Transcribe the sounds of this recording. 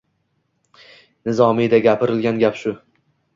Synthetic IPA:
nɪzɒmɪjd̪aɡʲapʰɪɾɪlɡʲanɡʲapʃʊ

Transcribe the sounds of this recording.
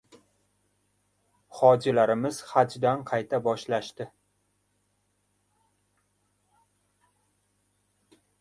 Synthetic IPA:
χɒd͡ʒɪlaɾɪmɪz̥χad͡ʒd̪anqʰɑjt̪ʰabɒʃlaʃt̪ɪ

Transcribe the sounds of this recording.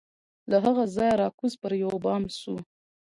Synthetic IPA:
laɦaɣazɑjaɾɑkuzpəɾjawbɑmsu

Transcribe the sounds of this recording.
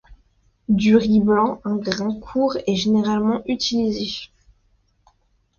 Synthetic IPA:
d̪yʁiblɑ̃ɛ̃ɡʁɛ̃kʰuːʁɛʒeneʁalmɑ̃ʔyt̪ʰilize

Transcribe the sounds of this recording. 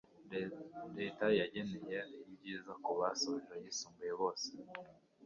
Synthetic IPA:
ɾeːtajaɟe̞nejenijibɟiːzakuβasoβeiɾojisuːmbujeβo̞ːse̥

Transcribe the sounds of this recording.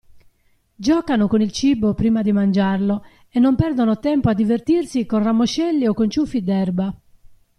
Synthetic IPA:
d͡ʒɔːkanokonilt͡ʃibopɾiːmad̪imand͡ʒarlo | ɛnːompɛrd̪onot̪ɛmpoad̪ːivert̪irsikonramːoʃɛlːiɔkːont͡ʃufːid̪ɛrba

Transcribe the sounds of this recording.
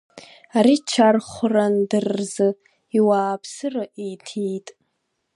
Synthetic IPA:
aɾit͡ʃʰarχʷʊrandɨrzɨ | iwaːpʰsɨraʔijtʰijtʼ

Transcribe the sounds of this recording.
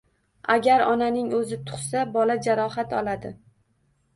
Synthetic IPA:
aɡʲaɾɒnanɪŋɵzɪt̪ʰʊ̥χsabɒlad͡ʒaɾɒhat̪ɒlad̪ɪ̰

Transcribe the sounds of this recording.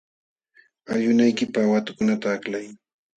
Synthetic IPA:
aʎʊnajkɪpawat̪ʊ̥kʊnat̪aːklaj

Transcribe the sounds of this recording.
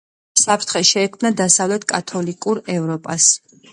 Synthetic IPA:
sapʰɾt̪ʰχɛʃɛːkʰmnad̪asavlɛt̪ʰkʼat̪ʰɔlikʼuɾɛvɾɔpʼas

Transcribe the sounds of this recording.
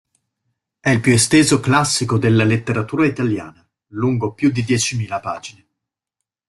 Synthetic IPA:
ɛilpjuest̪eːzoklasːikod̪elːalet̪ːeɾat̪uːɾait̪alja̰ːna | luŋɡopjud̪ːid̪jɛt͡ʃimiːlapaːd͡ʒine

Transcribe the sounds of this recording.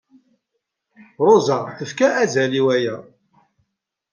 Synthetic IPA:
ɾˤozæθəfkæʔːzæliwæjæ

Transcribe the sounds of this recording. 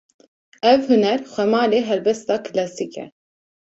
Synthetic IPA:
ɛvhɨnɛɾxʷɛmɑːleːɦɛlbɛst̪ɑːkʰɨlɛsiːkɛ̰

